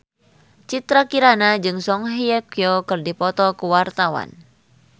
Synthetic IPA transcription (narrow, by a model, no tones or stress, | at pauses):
t͡ʃit̪ɾakiɾanad͡ʒɨŋsɔŋɦiɛkjokɨrdipɔt̪ɔkuwart̪awa̰n